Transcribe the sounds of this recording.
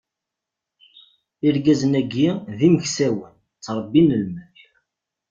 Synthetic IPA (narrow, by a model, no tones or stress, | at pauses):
iɾɡæzənæɡːiðiməçsæwən | t͡sːɾˤəbːinəlmæç